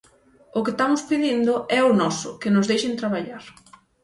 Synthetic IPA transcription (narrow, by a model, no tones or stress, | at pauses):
ʊkɪst̪amʊspiðind̪ʊɛʊnɔsʊ̰kɪnʊzðejʃent̪ɾaβ̞aʎaɾ